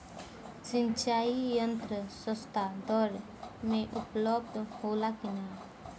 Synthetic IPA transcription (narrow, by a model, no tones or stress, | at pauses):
t͡siɲt͡ʃaijənt̪ɾəsəst̪ad̪ɔɾ | meʔupləb̚d̪holakina